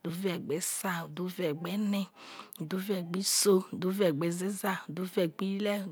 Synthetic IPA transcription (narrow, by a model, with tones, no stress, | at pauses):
du˨˦vɛ˨ɡ͡bɛ˨˦sa˦˨du˨˦vɛ˨ɡ͡bɛ˨˦nɛ˦u˨du˦vɛ˨ɡ͡bi˦so˦˨du˨˦vɛ˨ɡ͡bɛ˨ze˦za˦˨du˨˦vɛ˨ɡ͡bi˦lɛ˦˨